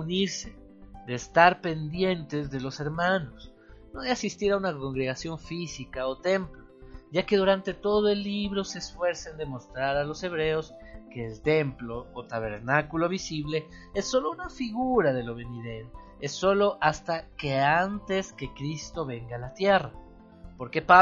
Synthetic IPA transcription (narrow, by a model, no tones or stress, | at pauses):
uniɾse̞ | d̪e̞ːst̪aɾpe̞nd̪je̞nt̪e̞zðe̞lo̞se̞ɾmãno̞s | no̞ðeasist̪iɾaunako̞ŋɡɾe̞ɣasjo̞ɱfisikao̞t̪e̞mploʝake̞ðuɾant̪e̞t̪o̞ðo̞e̞lːiβɾo̞se̞ːsfwe̞ɾsend̪e̞mo̞st̪ɾaɾalo̞se̞β̞ɾe̞o̞s | ke̞ːlt̪e̞mplo̞ot̪aβ̞e̞̰ɾnakulo̞βisiβle̞esːo̞lo̞unafiɣuɾaðe̞lo̞βeniðe̞ɾo | esːo̞lo̞ʔast̪ake̞ant̪e̞ske̞kɾist̪o̞βe̞ŋɡaːlat̪je̞ra | po̞ɾke̞pa